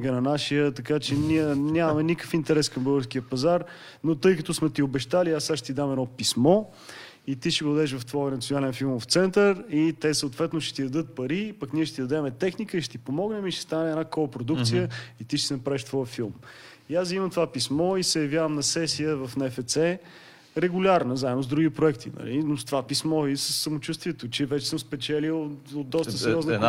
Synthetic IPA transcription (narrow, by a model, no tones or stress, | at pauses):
ɡənɐnaʃijət̪ɐkat͡ʃɛniɛnʲamɐmɛnikə̥fint̪ɛɾɛskɐmbəɡəɾskiəpɐzaɾ | not̪ɤjkət̪osmɛt̪iobɛʃt̪aliasːaʃɛ̥t̪id̪amɛd̪ɔpismɔ | it̪iʃɛɡod̪ɛʃ̬vɐft̪vɔjənɐt̪sionalɛnfilˠmft̪sɛnt̪əɾit̪ɛsəot̪vɛt̪noʃɛ̥t̪id̪ɐd̪ɤt̪̚pɐɾipɐkniɛʃtɛt̪id̪ɐd̪ɛmɛt̪ɛxnikəiʃt̪ɛ̥t̪ipomɔɡnɛmiʃt̪ɛ̥st̪anɛɛd̪nakɔpɾod̪ukt̪sijəit̪iʃɛsɛnɐpɾavɛʃt̪vɔjəfilˠm | iasimɐmt̪ovapismɔisɛjɐvjavəmnɐsɛsijəvɐfnɛfɛt̪sɛ | ɾɛɡʊlʲaɾnəzaɛnozd̪ɾuɡʲipɾoɛkt̪ʰḭnɐ̰linost̪ovapismɔisəsːɐmot͡ʃust̪viɛt̪ot͡ʃɛvɛt͡ʃɛ̥səmspɛt͡ʃɛlilod̪ɔsəsɾjɔz